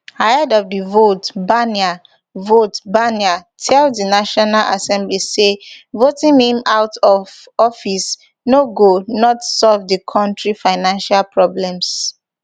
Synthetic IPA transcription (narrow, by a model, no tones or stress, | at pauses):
haɛdɔvdivotbania | votbaniatʰɛldinaʃɔnalʔa̰sɛ̃mblisevotĩnhĩmawtʰɔv | ɔfis | noɡonɔtsɔlvdikʰɔ̃ntɹifaɪnãnʃalpʰɹɔblɛ̃ms